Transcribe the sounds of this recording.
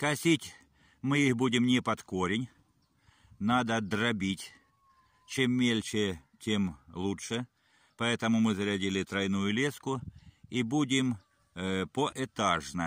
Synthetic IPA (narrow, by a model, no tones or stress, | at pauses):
kɐsʲitʲ | mɨixbudʲɪmnʲɪpɐt̪koɾʲɪnʲ | nad̪əd̪rɐbʲitʲ | t͡ɕemːʲelʲt͡ʃɪ | tʲemlˠutʂə | pɐɛt̪əmʊmɨzɐɾʲɐdʲilʲɪt̪ɾɐjnujʊlʲeskʊibudʲɪm | poʔɪt̪aʐnɐ